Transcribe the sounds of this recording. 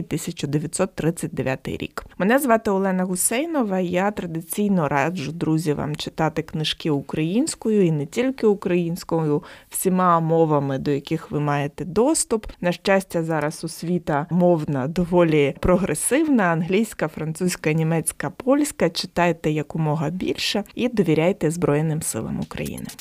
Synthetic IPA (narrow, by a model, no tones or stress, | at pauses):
t̪ɪsʲɐt͡ʃʊd̪eʋʲjɐt̪ʲsɔt̪ːɾɪt͡sʲsʲɐt̚ʲd̪eʋʲja̰t̪ɪ̰jɾʲḭkmenɛzʋɑt̪ɪɔlˠɛnɐɣʊsɛjnɔʋɐjat̪ɾɐd̪ɪt͡sʲijnɔɾʔɑd͡ʒʊd̪ɾuzʲiʋa̰mt͡ʃɪ̥t̪ɑt̪ɪknɪʃkɪʊkɾɐjinʲsʲkɔjʊinɛtʲilʲkɪʊkɾɐjinʲsʲkɔjʊw̥sʲimɑmɔʋɐmɪd̪ɔjɐkɪxʋɪmɑjet̪ɛd̪ɔst̪ʊpnɐʃt͡ʃasʲtʲɐzɑɾɐsʊsʲʋʲit̪ɐmɔwnɐd̪ɔʋɔlʲipɾɔɦɾesɪwnɐɐnɦlʲijsʲkɐfɾɐnt̪susʲkɐnʲimɛt͡sʲkɐpɔlʲsʲkɐt͡ʃɪ̥t̪ɑjt̪ɛjɐkʊmɔɦɐbʲḭlʲʃɐid̪ɔʋʲiɾʲajt̪ɛzbɾɔjenɪmsɪ̰lˠɐ̰mʊkɾɐ̰jḭnɪ̰